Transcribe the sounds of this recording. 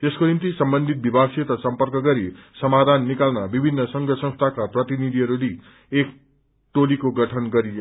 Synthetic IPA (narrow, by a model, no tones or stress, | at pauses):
t̪eskonimt̪isʌmbʌnd̪ʱit̪̚bibʱaɡset̪ʌsʌmpʌrkʌɡʌɾisʌmad̪ʱanːikalnabibʱinːʌsʌŋɡʱʌsʌ̃ŋst̪ʰakaprʌt̪inid̪ʱiʌɾuli | ek̚ | ʈolikoɡʌʈʰʌnɡʌɾi